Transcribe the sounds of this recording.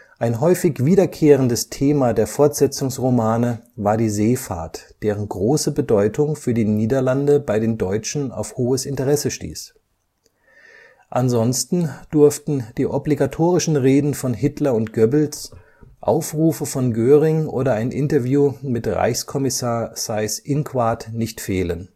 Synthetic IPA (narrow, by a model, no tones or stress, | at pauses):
ʔaɪnɦɔʏfɪçv̥iːdɐkʰeːʁ̞əndəstʰeːmadeːɐfɔɐtz̥ɛt͡sʊŋsʁomaːnəvaːɐdiːzeːfa̰ɐtd̥eːʁ̞ənɡʁoːsəbədɔʏtʰʊŋfyːɐdiːniːdɐlandəbaɪɾeːndɔʏt͡ʃn̩a̰ʊfhoːəsɪntəʁɛsəʃtḭːs | ʔanzɔnstn̩d̥ʊɐftn̩d̥iːʔɔbliɡatʰoːʁɪʃn̩ʁeːdn̩fɔnhɪtlɐʊntɡ̥œbl̩s | ʔa̰ʊfʁuːfəfɔnɡøːʁɪŋʔo̰ːɾɐaɪnʔɪntɐvjuːmɪtʁa̰ɪçskʰɔmɪsaːɐz̥aɪsʔɪnkʰv̥aɐtnɪçtfeːlən